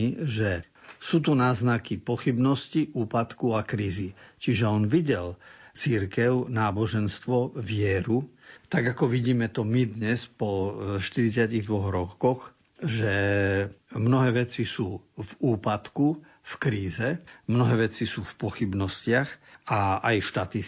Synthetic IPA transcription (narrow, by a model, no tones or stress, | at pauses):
iʒɛ | suːt̪unaːznakipɔxibnɔsciʔuːpat̪kuakɾiːzit͡ʃiʒɛɔnʋiɟɛlt͡siɾkɛʊnaːbɔʒɛnst̪ʋɔʋɪɛɾut̪aɡakɔʋiɟiːmɛt̪ɔmid̪ɲɛspɔʃt̪iɾit͡sɪaciɣd̪ʋɔɣɾɔkɔx | ʒɛ | mnɔɦɛːʋɛt͡sisuːvuːpat̪ku | fkɾiːzɛmnɔɦɛːʋɛt͡sisuːfpɔxibnɔscɪaxaajʃt̪at̪i